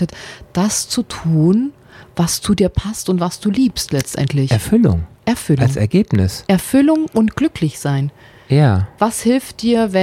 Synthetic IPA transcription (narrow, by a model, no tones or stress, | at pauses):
ətd̥ast͡sutʰuːn | vast͡sudiːɐpʰastʊntv̥asd̥uːliːpstlɛt͡stʔɛ̰ntʰlɪçɛɐfʏlʊ̰ŋʔɛɐfʏlalŋsɛ̰ɐɡeːpnɪ̰sʔɛɐfʏlʊŋʔʊntɡ̥lʏkʰlɪçz̥aɪn | jaːvashɪlft̚d̥iːɐvɛ